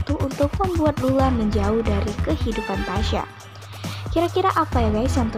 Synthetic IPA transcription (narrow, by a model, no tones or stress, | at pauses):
t̪uunt̪ʊk̚məmbuat̪̚lulaməɲd͡ʒaʊhdaɾikəhidupant̪aʃa̰ | kiɾakiɾaʔapajaɡajsjaŋt̪ə